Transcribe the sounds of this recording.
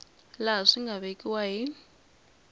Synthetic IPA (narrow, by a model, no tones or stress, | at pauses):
laʂiŋɡʱaβekʼiwaɦi